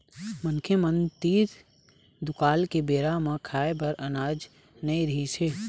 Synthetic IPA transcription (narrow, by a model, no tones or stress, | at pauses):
mənkʰjemə̃nd̪t̪iːt̪ | d̪ʊkaːlkebeːɾamãkʰaːebɐɾɐnaːd͡ʒ | nɐĩɾɐɦiseː